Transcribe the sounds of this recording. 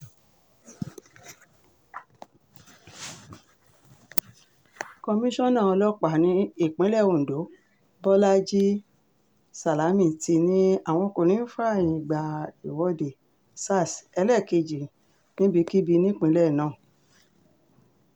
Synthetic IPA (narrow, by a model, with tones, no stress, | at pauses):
kɔ˧mĩ˦ʃɔ̃˦˨nã˦˨ɔ˧lɔ˦k͡pa˨nĩ˨˦i˦˨k͡pĩ˨˦lɛ˦˨o˨do˨˦ | bɔ˦la˦d͡ʒi˦ | sa˨la˨˦mĩ˦˨ti˧nĩ˦a˦˨w̃ɔ̃˧ko˧ɾĩ˨˦fa˦˨ĩ˨ɡ͡ba˨i˨wɔ˨˧de˨ | sa˦˨sɛ˧˦lɛ˦˨ke˧d͡ʒi˨ | nĩ˦bi˧ki˦bi˧nĩ˦˨k͡pĩ˨˦lɛ˦˨nãː˨˦˨